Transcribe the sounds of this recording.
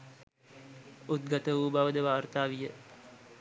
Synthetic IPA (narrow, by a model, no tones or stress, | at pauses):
ut̪̚ɡat̪əʋuːbaʋəd̪əʋaːrt̪aːʋijə